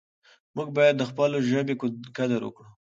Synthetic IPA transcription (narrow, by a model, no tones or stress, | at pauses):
muɡ̚bɑjad̪ːəxpəloʒəbekkad̪əɾwə̰kɽu